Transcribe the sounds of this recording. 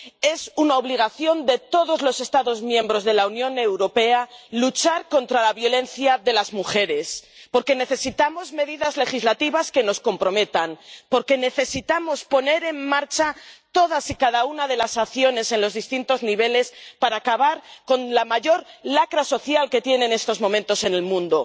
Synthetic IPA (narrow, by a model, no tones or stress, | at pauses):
e̞sunao̞β̞liɣ̞aθjo̞nd̪e̞t̪o̞ðo̞zlo̞se̞st̪aðo̞zmjẽ̞mbɾo̞zðe̞launjõ̞ne̞wɾo̞pe̞alut͡ʃaɾko̞nt̪ɾalaβjo̞le̞nθjaðe̞lazmuxe̞ɾe̞spo̞ɾke̞ne̞θe̞sit̪amo̞zme̞ðiðazle̞xizlat̪iβaske̞no̞sko̞mpɾo̞me̞t̪anpo̞ɾke̞ne̞θe̞sit̪amo̞spo̞ne̞ɾe̞mmaɾt͡ʃat̪o̞ðasikaðaunaðe̞lasaθjo̞ne̞se̞nlo̞zðist̪int̪o̞zniβ̞e̞le̞spaɾaːkaβaɾko̞nlamaʝo̞ɾlakɾaso̞θjalke̞t̪je̞ne̞ne̞st̪o̞zmõ̞mẽnt̪o̞se̞ne̞lmũnd̪o̞